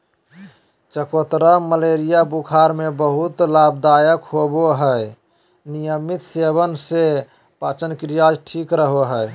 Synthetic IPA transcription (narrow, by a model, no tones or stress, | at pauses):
t͡ʃəkot̪ɾəməleɾijabukʰaɾmebəɦut̪labd̪ajəkɦoboɦəj | nijəmit̪seβənse | pat͡ʃənkɾijad͡ʒʈʰikɾəɦoɦəj